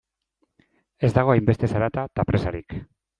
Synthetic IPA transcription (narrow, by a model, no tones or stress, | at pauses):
e̞zd̪aɣ̞o̞ajmbe̞st̪e̞saɾat̪at̪apɾe̞saɾik